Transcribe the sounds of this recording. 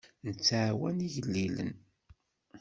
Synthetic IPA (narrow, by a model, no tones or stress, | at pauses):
nət͡sːaʕwæniʝəlːilə̰n